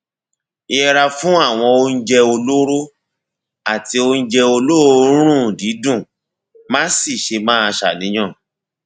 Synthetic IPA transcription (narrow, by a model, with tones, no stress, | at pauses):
i˧ɛ˧ɾa˧fũ˦a˦˨w̃ɔ̃˧o˧˦n̩˦d͡ʒɛ˧o˧lo˦ɾo˦ | a˦˨ti˧o˧n̩˦d͡ʒɛ˧o˧lo˦ɾo˦ɾ̃ũ˦˨di˨˦dũ˦˨ | mã˦si˦˨ʃe˧mãː˦a˧ʃa̰˨nĩ˨˦j̃ã˦˨